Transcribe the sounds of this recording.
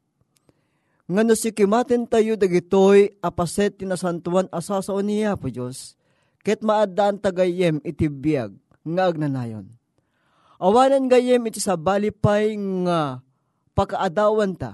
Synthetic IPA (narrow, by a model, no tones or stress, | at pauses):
ŋanosɪkɪmat̪ɪnt̪ajud̪aɡɪt̪ojʔɐpasɛt̪ːinɐsant̪uwanʔɐsasaʔonijapʊd͡ʒos | kɛt̪̚maʔad̪aʔant̪aɡajɛmɪt̪ibja̰ɡ̚ | ŋaːɡ̚nɐna̰jo̰n | ʔɐwaːnanɡajɛmɪt̪isabaːlɪpajŋa | pakaʔad̪aːwant̪a̰